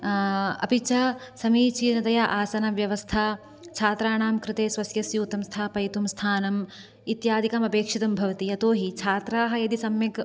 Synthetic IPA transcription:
ɐ̰pit͡ʃɐsɐmiːt͡ʃiːnɐt̪ɐjaʔaːsɐnɐʋjɐʋɐst̪ʰaː | t͡ʃʰaːt̪ɾaːɳaːmkɾɪt̪eːsʋɐsjɐsjuːt̪ɐmst̪ʰaːpɐjɐt̪umst̪ʰaːnɐm | it̪jaːd̪ʱikɐmɐpeːkʂit̪ɐmbʱɐʋɐt̪iɐt̪oːɦit͡ʃʰaːt̪ɾaːɦɐjɐd̪isɐmjɐk

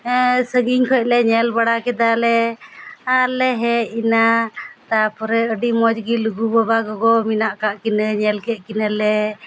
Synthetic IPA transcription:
səɡiɲkʰɔc̚ˀlɛɲɛlbaɽakɛd̪alɛ | alɛɦɛinat̪apɔɾɛəɖimɔd͡ʒɡiluɡubəbaɡɔɡɔminaʔkaʔkinəɲɛlkɛt̪̚ˀkinəlɛ

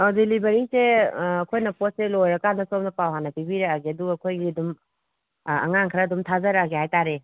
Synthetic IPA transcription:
adilibɐɾiseɐkʰojnɐpos̚selojɾɐkanɐsomnɐpawɦanɐpibiɾaaɡiɐduɡɐkʰojɡiɐdum | ɐ̰ŋaŋkʰɾɐːdumtʰazɐɾaɡehajtaɾe

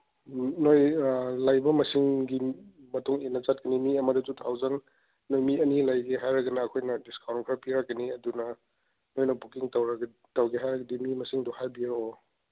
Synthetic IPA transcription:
nojlajbɐmɐsiŋɡi | mɐtuŋenːɐt͡ʃat̚kɐnimiɐmɐdɐtutʰawzaŋ | nojmiɐnilajɡeɦajɾɐɡɐnɐːkʰojnɐdiskʰawnkʰɾapiɾak̚ːɐniɐdunɐ | nojnɐbukiŋtɐwɾɐɡ | tɐwɡeɦajɾɐɡɐdimimɐsiŋdɔhajbio

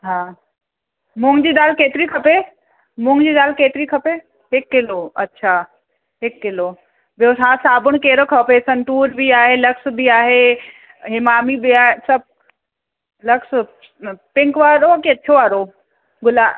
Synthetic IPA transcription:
ɦãː | mʊ̃ŋɡd͡ʑiːd̪aːlkeːt̪ɪɾikʰɐpe | mʊ̃ŋɡd͡ʑiːd̪aːlkeːt̪ɾikʰɐpe | ɦekːɪloɐ̰tːʃʰaː | ɦɪkːɪloː | bjoːsaːsaːbʊñkeːɾokʰɐpeːsɐnʈuːɾbʱiaːɦelɐksbʱiaːɦe | ɦɪmaːmibʱiaːɦesɐb̚ | lɐks | pɪ̃ŋkʋaːɾoketːt͡ʃʰoaːɾo | ɡʊlaː

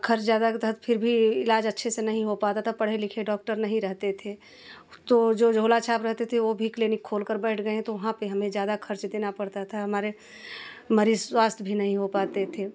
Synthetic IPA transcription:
kʰəɾt͡ʃzjaːd̪at̪əɦt̪pʰɪɾbʱiɪlaːd͡ʒɐtːʃʰesenɐɦĩɦopaːt̪at̪ʰapəɽ̤elɪkʰeɖɔːk̚ʈəɾnɐɦĩɾəɦt̪et̪ʰe | t̪od͡ʒoːd͡ʒʱoːlat͡ʃʰaːpɾəɦt̪et̪ʰeʋobʱikliːnɪkʰːoːlkəɾbɛɪʈʰɡəeɦɛ̃t̪oʋɐɦãpeɦɐmẽzjaːd̪akʰɐɾt͡ʃd̪eːnapɐɽt̪at̪ʰaɦɐmaːɾe | məɾizswaːst̪ʰbʱinɐɦĩɦopaːt̪et̪ʰeː

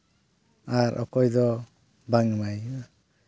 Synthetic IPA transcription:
aɾʔɔ̰kɔjd̪ɔ | baŋmaj

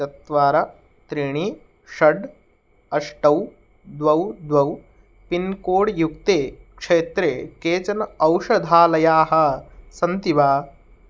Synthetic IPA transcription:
ɐt̪ʋaːɾɐ | t̪ɾiɳ̃i | ʃɐɖ | ɐʂʈɐw | d̪ʋɐwd̪ʋɐw | pinkoːɽjuk̚t̪eːkʂeːt̪ɾeːkeːt͡ʃɐnɐwʃɐd̪ʱaːlɐjaːɦɐsɐnt̪iʋaː

